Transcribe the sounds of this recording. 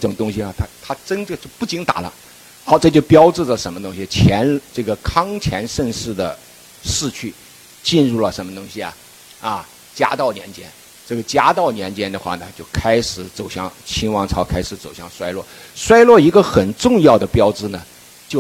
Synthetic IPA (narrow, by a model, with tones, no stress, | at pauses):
ɤ˥˩ʈ͡ʂʊ˨˩ŋt̪ʊ˥ŋɕi˨ɐ˨˩t̪ʰa˥t̪ʰa˥ʈ͡ʂə˥nə˥˧t͡ɕjo˥˧ʊpu˥˩t͡ɕi˥ŋt̪a̰˨˩lə̰˦ | xɑ˧˥ʊʈ͡ʂɤ˥˧t͡ɕjo˥˩ʊpjɑ˥ʊʈ͡ʂɻ̩˥˩lə˩ʂə˧˥nmə˧t̪ʊ˥ŋɕi˧t͡ɕʰjɛ˧˥nʈ͡ʂɤ˥˩ɡə˩kʰɑ˥ŋt͡ɕʰjɛ˧˥nʂə˥˧ŋʂɻ̩˥˩d̪ə˩ | ʂɻ̩˥˧t͡ɕʰy˥˩ | t͡ɕi˥˧nɻu˥˩lə˩ʂə˧˥nmə˧t̪ʊ˥ŋɕi˨ɐ̰˨˩ | ɐ˥˧ | t͡ɕja̰˥t̪ɑ˥˩ʊnjɛ˧˥nt͡ɕjɛ̰˥n | ʈ͡ʂɤ˥˩ɡə˩t͡ɕja̰˥t̪ɑ˥˩ʊnjɛ˧˥nt͡ɕjɛ˥nd̪ə˨xwa̰˥˩nə˩t͡ɕjo˥˩ʊkʰa˥ɪʂɻ̩˧˥t͡so˨˩ʊɕjɑ̰˥˧ŋt͡ɕʰi˥nwɑ˥ŋʈ͡ʂʰɑ˧˥ʊkʰa˥ɪʂɻ̩˧˥t͡so˨˩ʊɕjɑ˥˩ŋʂwa˥ɪlwɔ̰˥˩ | ʂwa˥ɪlwɔ˥˩i˧˥ɡə˧xə˨˩nʈ͡ʂʊ˥˧ŋjɑ˥˩ʊd̪ə˩pjɑ˥ʊʈ͡ʂɻ̩˥˩nə˨˩ | t͡ɕjo˥˩ʊ